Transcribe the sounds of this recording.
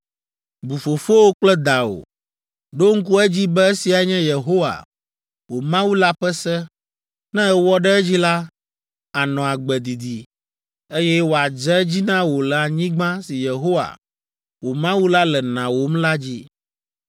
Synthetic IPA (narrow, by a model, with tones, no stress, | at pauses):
bu˨fo˨fo˦wo˦k͡plɛ˦d̪a˨o̰˨ | ɖo˦ŋ̩˦k̬u˦ɛ˦d͡ʑi˦bɛ˦e˦si˨a˨ɲɛ̃˦je˨ɦo˦wa̰˨ | wo˨mã˦wu˦la˦ɸɛ˦sɛ˦ | nɛ̃˦ɛ˦wɔ˦ɖɛ˦ɛ˦d͡ʑi˦la˦ | a˨nɔ̃˨a˨ɡ͡bɛ˨d̪i˨d̪i˨ | e˦jɛ˦wo˨a˨d͡ʒɛ˦d͡ʑi˦nã˦wo˨lɛ˨a˨ɲĩ˦ɡ͡bã˦si˨je˨ɦo˦wa̰˨ | wo˨mã˦wu˦la˦lɛ˨nã˨wo˨mla˦d͡ʑi˦